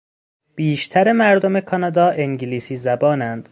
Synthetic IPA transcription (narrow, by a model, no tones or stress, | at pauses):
b̥iːʃt̪ʰæɾemæɾd̪omekʰɒnɒd̪ɒːʔeŋɟiliːsiːzæbɒːnænd̪̥